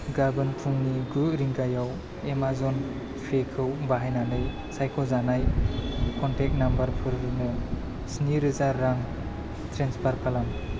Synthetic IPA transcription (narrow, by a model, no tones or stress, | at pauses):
ɡaɾbɯnpʰuŋniɡuɾiŋɡajaw | emazɔn | pʰekʰɯwbaɦajnanɯj | sajkʰɔzanajkʰɔntʰek̚nambəɾpʰɯɾnɯ | sniɾɯzaɾːaŋ | tʰɾenspʰaɾpʰalam